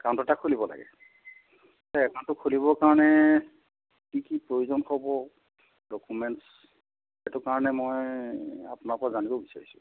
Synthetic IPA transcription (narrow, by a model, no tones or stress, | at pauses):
kãntɔtakʰulibɔla̰ɡɛ̰ | tɛkantʊkʰulibɔkaɹɔnɛ | kikipɹojuzɔnkʰɔbɔ | dokumɛnts | ɛtʊkaɹɔnɛmoja̰pʊnaɹpɔazanibɔbisaɹisʊ̥̰